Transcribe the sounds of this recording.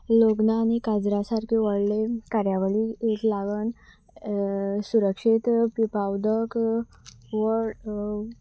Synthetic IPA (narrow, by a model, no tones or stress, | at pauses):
loɡnaːnikad͡zɾasaɾkiʋəɽlekaɾjaʋəliet̪laɡən | suɾəkʂit̪pipawd̪ək | ʋə